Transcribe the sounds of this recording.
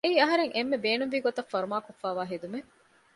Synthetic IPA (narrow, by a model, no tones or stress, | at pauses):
eiːɐɦɐɾeŋʔemːebeːnunʋiːɡot̪ɐfːɐɾumaːkofːaːʋaːɦed̪ume